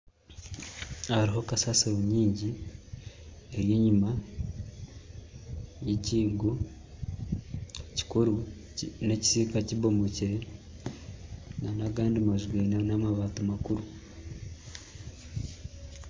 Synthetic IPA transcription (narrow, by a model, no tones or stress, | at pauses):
haɾiɦo̞kasaseβuɲiːɲɟi | eɾjiɲima | jiciːɡo | ci̥kuɾu | neci̥sikaciβo̞mociɾe | nanaɡaːndimaʒɡwiːnanamaβaːtumakuɾu